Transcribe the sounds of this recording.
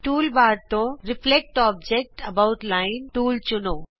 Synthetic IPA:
ʈuːlbaːɾt̪õɾɪflek̚ʈɔːb̚d͡ʒek̚ʈɐbaʊʈlaːɪnʈuːlt͡ʃʊnoː

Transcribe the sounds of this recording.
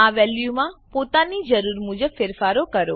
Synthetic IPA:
aʋɛljumãpot̪anid͡ʒəɾuɾmud͡ʒəbfɪɾfaɾokəɾo

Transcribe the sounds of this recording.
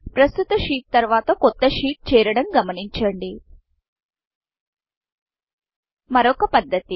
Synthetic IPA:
pɾɐst̪ut̪ɐʂiːʈ̚t̪ɐɾʋaːt̪ɐkɔt̪ːɐʂiːʈ̚t͡ʃɛːɾɐɽɐmɡɐmɐniɲt͡ʃɐɳɖi | mɐɾɔkɐpɐd̪ːɐt̪i

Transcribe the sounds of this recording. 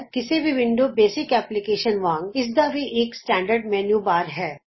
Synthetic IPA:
kɪsebʱiʋɪ̃ɳɖobeːsɪkɛːplɪkeːʃənʋãːŋɡɪs̬d̪abʱiʔeːksʈɛ̃ːɳɖəɾɖmɛ̃njuːbaːɾɦɛː

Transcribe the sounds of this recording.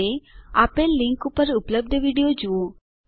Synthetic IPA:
ea̰pelːiŋkupəɾupləb̚d̪ʱəʋiɽijod͡ʒuo

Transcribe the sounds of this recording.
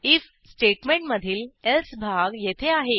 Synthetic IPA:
iːf | sʈeʈmeɳʈməd̪ʱiːlelsbʱaɡjet̪ʰeaɦe

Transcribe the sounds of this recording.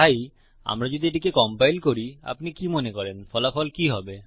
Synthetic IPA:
aj | a̰mɾad͡ʑod̪ʱieʈikekɔmpajlkoɾia̰pnikimonekɔɾenfʰɔlafɔlkiɦɔbe

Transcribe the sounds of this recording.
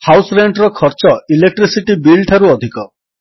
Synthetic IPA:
hawsɔɾeɳʈɾɔkʰɔɾt͡ʃɔilek̚ʈɾisiʈibilʈʰaɾuɔd̪ʱikɔ

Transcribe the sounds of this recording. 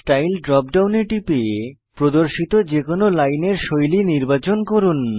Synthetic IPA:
sʈajlɖɾɔpɖawneʈipe | pɾod̪oɾʃit̪od͡ʑekonolajneɾʃojliniɾbat͡ɕonkoɾun

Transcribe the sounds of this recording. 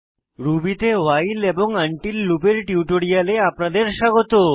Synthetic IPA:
ɾubit̪ewajleboŋaɳʈilːupeɾʈiuʈoɽijaleapnad̪eɾʃaɡot̪o

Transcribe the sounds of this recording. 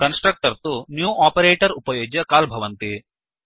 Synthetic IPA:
kɐnsʈɾɐk̚ʈɐɾt̪unjuːʔaːpɐɾeːʈɐɾupɐjoːɡjɐkaːlbʱɐʋɐnt̪i

